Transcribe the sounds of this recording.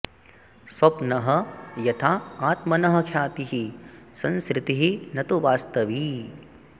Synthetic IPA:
swɐpnɐɦɐjɐt̪ʰaːaːt̪mɐnɐɦɐ̆kʰjaːt̪iɦisɐnskɾɪt̪iɦinɐt̪uʋaːst̪ɐʋi

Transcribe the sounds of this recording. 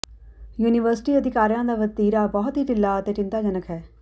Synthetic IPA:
juːnɪʋəɾsɪ̥ʈiːəd̪ɪkaːɾijãːd̪aːʋət̪iːɾaːbɔːʊt̪ɦiːʈɪlːaːət̪eːʈɪ̃nt̪aːd͡ʒənəkʰɦɛː

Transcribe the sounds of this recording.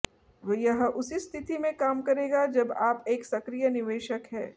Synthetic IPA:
ʋəjɐɦʔʊsist̪ʰɪt̪imẽkaːmkɐɾeːɡad͡ʒɐbaːpeːksɐkɾijənɪʋeːʃəkɦɛ̰ː

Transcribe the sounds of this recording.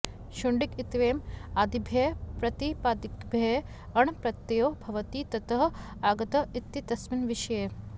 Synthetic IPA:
ʃuɳɖikit̪ʋeːmaːd̪ibʱjeːpɾɐt̪ipaːd̪ikbʱe | ɐɳpɾɐt̪ːejoːbʱɐʋɐt̪iːt̪ɐt̪ɐɦɐ | aːɡɐt̪ɐit̪ːit̪ɐsminʋiʃɐjeː

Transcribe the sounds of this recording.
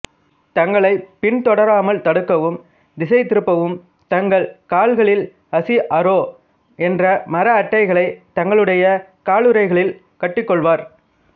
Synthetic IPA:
t̪ɐŋɡɐɭɐɪpɪɳt̪ɔɽɐɾaːmɐɭt̪ɐɽɯkːɐʋɯm | d̪ɪsɐɪt̪ɪɾɯpːɐʋɯm | t̪ɐŋɡɐɭkaːɭɣɐɭɪl | ɐsiʔɐɾoː | ɛndrɐmɐɾɐːʈːɐɪɣɐɭɐɪt̪ɐŋɡɐɭɯɽɐjɐkaːɭɯɾɐɪɣɐɭɪl | kɐʈːɪkːɔɭʋaːɾ

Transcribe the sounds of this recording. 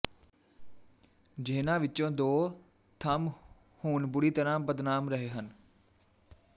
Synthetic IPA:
d͡ʒeːnãːʋɪt͡ʃõːd̪oː | t̪ʰəm | huːnbʊɽiːt̪əɾãːbəd̪naːmɾəɦeːɦən

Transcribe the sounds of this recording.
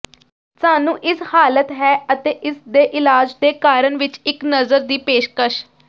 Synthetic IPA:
saːnũːʔɪshaːlət̪ɦɛːət̪eːʔɪsd̪eːʔɪlaːd͡ʒd̪eːkaːɾəɳʋɪt͡ʃɪknəzəɾd̪iːpeːʃkəʃ

